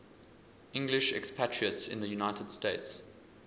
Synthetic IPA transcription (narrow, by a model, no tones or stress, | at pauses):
ʔɪ̃ŋɡlɪʃɛ̰kspʰætʰɹ̥iətsɪ̰̃nðəjunaɪtʰəd̥steɪts